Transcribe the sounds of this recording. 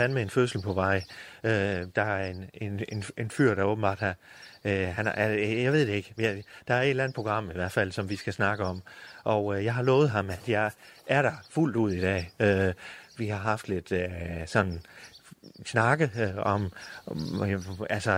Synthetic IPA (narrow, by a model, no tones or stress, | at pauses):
ænmeenføsl̩pʰɒ̽ʋɑ̈ɪ̰ød̥ɑ̈æenene̝nenfyɐ̰ɾ̥ɑoːb̥m̩b̥ɑ̰̈ːd̥hæ | hænjɑ̈ɪʋe̝ð̰ˠd̥eeɡ̥jd̥ɑ̈æɐed̥lænð̩ˠpʰoɡ̥ʁɑ̈m̰iʋæɐ̰̥fæl̰sɒ̽mʋisɡ̥æsnɑ̈ɡ̥əɒ̽mʔɒʊjɑ̈ɪɦɑ̈lɔːð̩ˠɦɑ̈mæd̥jɑ̈ɪʔæɐɾ̥ɑ̈ful̰d̥uð̞̰ˠid̥ɛ̰ːøʋihɑ̈ɦɑ̈fd̥le̝d̥øsɒ̽nn | snɑ̈ɡ̥əɒ̽m | ælsɒ